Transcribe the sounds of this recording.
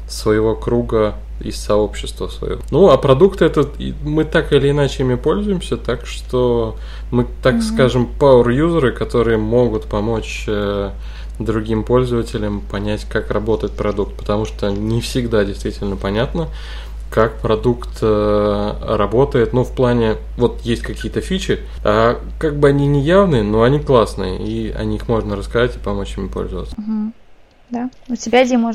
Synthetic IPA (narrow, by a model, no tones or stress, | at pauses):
svəjɪvo̞kɾuɡə | ɪ̰sɐo̞pɕːɪst̪vəsvɐ̰j̰onuapɾɐd̪ukt̪ɛt̪ə̰mɨt̪akɪlʲɪːnat͡ɕɪimʲɪpo̞lʲzʊjɪmsʲət̪akʂt̪o | mɨt̪akskaʐɨmpaʊrjuzəɾɨkɐt̪o̞ɾɨjəmo̞ɡʊt̪pɐmo̞t͡ɕ | ə | d̪ɾʊɡʲimpo̞lʲzəvətʲɪlʲəmpɐnʲætʲkakrɐbo̞t̪əjɪt̪̚pɾɐd̪uk̚t̪̚pə̥t̪ɐmuʂt̪onʲɪfsʲɪɡd̪adʲɪjst̪vʲitʲɪlʲnəpɐnʲat̪nə | kakpɾɐd̪ukt̪ə | rɐbo̞t̪əjɪt̪nufplˠanʲɪ | vo̞t̪jesʲtʲkɐkʲijət̪əfʲit͡ɕɪ | a | kaɡ̚bɨɐnʲinʲɪjavnɨjəno̞ɐnʲiklˠasnɨ̰jə̰iɐ̰nʲixmo̞ʐnəɾəskɐzatʲɪ̥pɐmo̞t͡ɕjɪmʲʊpo̞̰lʲzəvə̰t̪səɦ̩ | d̪aʊtʲɪbʲaɪdʲemoʐ